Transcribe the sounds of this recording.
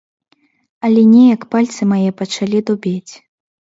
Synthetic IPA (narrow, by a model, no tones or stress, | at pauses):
ɐlʲɛnʲɛjɐkpalʲt̪sɨmajɛpɐt͡ʂalʲid̪ubʲet͡sʲ